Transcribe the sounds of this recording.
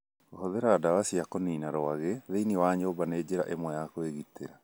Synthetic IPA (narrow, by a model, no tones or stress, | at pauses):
ɣohoðɛɾaːdawasiakoniːnaɾoaɣeðeiniwaɲobaneːd͡ʑeɾaʔemwɛjakoeɣitḛɾa